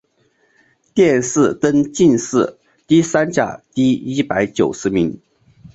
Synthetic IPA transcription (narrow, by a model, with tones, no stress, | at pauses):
t̪jɛ˥˧nʂɹ̩˥˩t̪ə˥nt͡ɕi˥˧nʂɹ̩˥˩ | t̪i˥sa˥nt͡ɕja̰˨˩t̪i˥˩i˥pa˧˥ɪt͡ɕjo˨˩ʊʂɻ̩˧˥mi˧˥ŋ